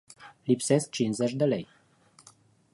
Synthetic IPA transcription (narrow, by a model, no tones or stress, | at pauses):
lipse̞sk̚t͡ʃinzet͡ʃʲd̪elej